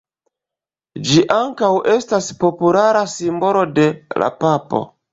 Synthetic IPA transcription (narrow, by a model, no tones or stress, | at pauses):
d͡ʒiʔaŋkawʔe̞staspo̞pulaɾasimbo̞lo̞de̞la̰papo̞̰